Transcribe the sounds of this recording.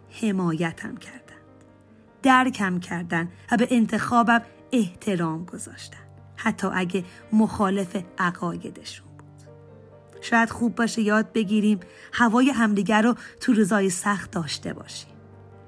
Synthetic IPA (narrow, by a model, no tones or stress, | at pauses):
he̞mɒːjæt̪ʰæ̰mcʰæɾd̪̥æ̥nd̪̥ | d̪̥æɾkʰæmcʰæɾd̪ænvæbeʔent̪ʰe̞xɒːbæm | e̞ht̪ʰe̞ɾɒːmɡo̞z̥ɒ̰ːʃt̪æ̥nd̥̪hæt̪ʰːɒ̰ːʔæɟe̞ | moxɒːle̞fe̞ʔæɣɒːje̞d̪e̞ʃu̥nb̥ud̪̥ | ʃɒːjæd̪̥xuːbːɒːʃejɒːd̪̚be̞ɟiːɾiːm | hævɒːjeɦæmd̪iɟæɾɔt̪ʰuɾizɒːjesæxt̪̚d̪ɒːʃt̪e̞̰bɒ̰ːʃi̥ːm